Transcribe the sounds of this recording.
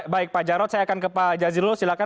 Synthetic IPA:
baɪk̚pad͡ʒaɾɔt̪sajakankəpad͡ʒazilɔsilaka

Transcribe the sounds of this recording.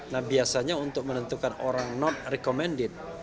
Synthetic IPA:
nahbiasaɲaunt̪ʊk̚mənənt̪ukanoɾaŋnɔn̚rɛkomɛndɪt̪̚

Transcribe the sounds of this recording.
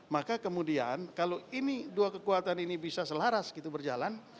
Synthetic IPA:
makakəmudia̰nkaloiniduakəkuat̪aninibisasəlaɾasɡit̪ubərd͡ʒa̰lan

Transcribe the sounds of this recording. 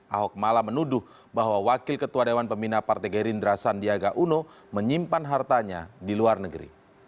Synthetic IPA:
ʔaɦɔk̚malamənudʊh | baɦwawakɪlkət̪uadewanpəminapart̪ɛɡɛɾindɾasandiaɡaʔuno | məɲimpanɦart̪aɲadiluarnəɡəɾḭ

